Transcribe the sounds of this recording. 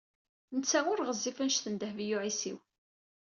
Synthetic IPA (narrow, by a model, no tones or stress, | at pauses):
nət͡sːæŋʊɾʁəzːifənʃθənd̪əhvijuʕisḭw